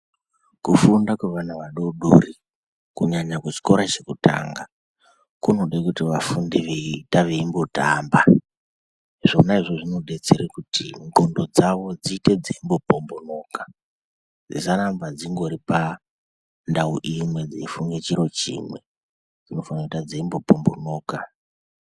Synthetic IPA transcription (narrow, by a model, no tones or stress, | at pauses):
kufundakweʋanaʋaɗo̞ɗo̰ri | kuɲaɲakut͡ʃi̥ko̞ɾat͡ʃe̞kuta̰ːŋɡa | kuno̞ɗekutiʋafundiʋeitaʋeimbotamba | ʐ̥o̞naiʐoʐino̞ɗe̞t͡seɾekutiŋɡondo̞d͡zaʋo̞d͡zite̞d͡zeimbo̞pombo̞no̞ːka | d͡zḭsanambad͡ziŋɡo̞ɾipa | ndauʔimwe̞d͡zeifuŋɡet͡ʃiɾo̞t͡ʃḭːmwe̞ | d͡zino̞fanauitad͡zeimbo̞po̞mbo̞noːka